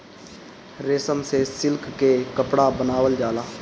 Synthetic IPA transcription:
ɾeːsəmsesɪlkːekəpɽaːbənaːʋəld͡ʒaːlaː

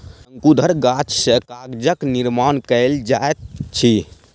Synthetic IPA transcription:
səŋkud̪ʱəɾɡat͡ʃsəkaɡd͡ʒəkniɾmankəld͡ʒaet̪̚t͡ʃʰi

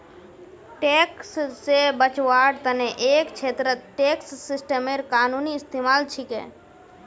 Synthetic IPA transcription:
ʈeːkssebət͡ʃʋaːɖt̪əneʔeːkt͡ʃʰeːt̪ɾəʈeːksːɪsʈəmeɾkaːnuːniɪst̪eːmaːlt͡ʃʰɪkɛ̰̃ː

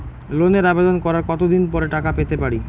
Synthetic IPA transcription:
loneɾabed̪onkɔɾaɾkɔt̪od̪inpɔɾeʈakapet̪epaɾi

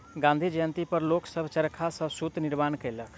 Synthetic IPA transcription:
ɡãnd̪ʱid͡ʒəjənt̪ipəɾloksəbʱt͡ʃəɾkʰasəbsut̪niɾmankɛlək

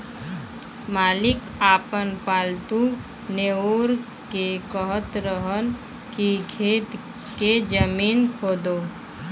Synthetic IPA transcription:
maːlɪk | aːpənpaːlt̪u | neoːɾ | kekəɦət̪ɾəɦən | kikʰeːt̪ | ked͡ʒəmiːnkʰoːd̪oː

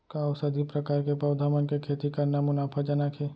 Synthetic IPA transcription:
kaʊsɐd̪ʱipɾɐkaːɾkepɐwd̪ʱaːmənkekʰeːt̪ikɐɾnamʊnaːpʰad͡ʒanakʰeː

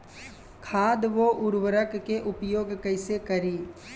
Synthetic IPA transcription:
kʰaːd̪ʋoʔʊɾʋəɾəkːeʔʊpjoːɡkɐɪsekɐɾiː

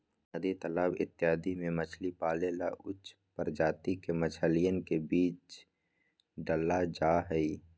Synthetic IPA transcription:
əd̪it̪əlaːbɪ̰t̪ːɪɦaːd̪imẽmət͡ʃʰlipaːlela̰ʔʊt͡ʃ | pəɾd͡ʒaːt̪ikemət͡ʃʰəlijənkebiːt͡ʃ | ɖəlad͡ʒaːɦɛi

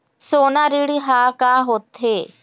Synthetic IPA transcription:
soːnaɾiɽiɦakaɦoːt̪ɦe

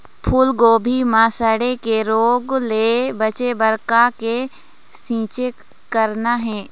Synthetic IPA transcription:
pʰuːlɡoːbʱimãːsəɽekeɾoːɡleːbət͡ʃebəɾkake | sĩːt͡ʃe | kəɾnaɦɛː

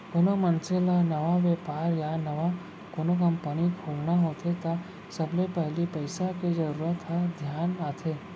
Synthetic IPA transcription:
konomə̃nselanɐʋaʋjeːpaːɾjanɐʋa | konokə̃mpənikʰuːlnaɦoːt̪ʰet̪a | səblepɛɦlipəɪsaked͡ʒəɾuːɾət̪ʰːad̪ʱjaːnmãt̪ʰeː

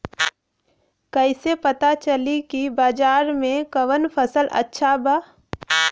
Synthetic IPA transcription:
kəɪsepət̪at͡ʃəlikibaːd͡ʒaːɾmẽkəʋənpʰəsəlʔə̰tːʃʰabaː

